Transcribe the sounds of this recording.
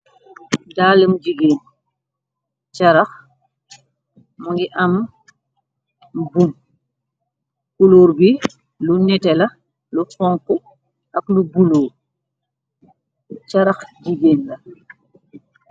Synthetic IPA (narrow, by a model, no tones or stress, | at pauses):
daːləmd͡ʒiɡeːn | t͡ʃɐɾɐx | muŋɡiʔɐm | bum | kuloːɾbi | lunɛtɛlɐ | lufɔŋku | ɐklubuloːɾ | t͡ʃɐɾɐxd͡ʒiɡeːnlɐ